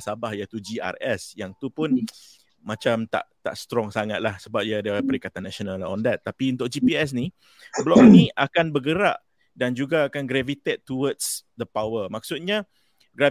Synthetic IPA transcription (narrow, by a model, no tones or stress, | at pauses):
sabahjat̪ud͡ʒia̰rɛsjaŋt̪upʊn | mãt͡ʃamt̪a̰ʔt̪a̰ʔst̪ɾɔŋsaŋat̪̚lahsəbap̚diadaapəɾikat̪anːɛsionalɔ̰ndɛt̪ːapiunt̪ʊk̚d͡ʒipiɛs̬ni | bəlɔʔniakanbəɡəɾa̰ʔ | dand͡ʒuɡaːkanɡɾɛvit̪ɛt̪ːuwədsd̪əpawəmak̚sut̪̚ɲa | ɡɾa